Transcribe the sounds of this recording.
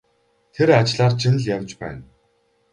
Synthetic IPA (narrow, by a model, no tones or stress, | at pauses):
t̪ʰeɾat͡ɕɮaːrt͡ɕʰɪn̆ɮjawt͡ɕpæ̰ːn